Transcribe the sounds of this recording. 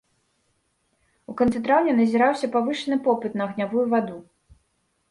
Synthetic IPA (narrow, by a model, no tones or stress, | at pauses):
ukant̪sɨt̪ɾawnʲɛnɐzʲiɾawsʲɐpavɨʂɨnɨpɔpɨt̪nɐɐɣnʲavujuvad̪u